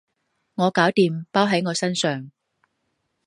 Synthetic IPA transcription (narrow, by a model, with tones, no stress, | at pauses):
ŋɔː˨˧kaː˨˥wt̪iː˨mpaː˥wɦɐ˨˥jŋɔː˨˧sɐ˥nsœː˨˩ŋ